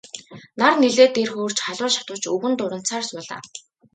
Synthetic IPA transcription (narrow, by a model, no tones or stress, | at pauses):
narneɮeːt̪erxoːr̥t͡ɕχaɮʊːʃḁt̪ʊːt͡ɕɵɣɘ̆nt̪ʊɾə̆n̥t͡saːrsʊːɮa̰ː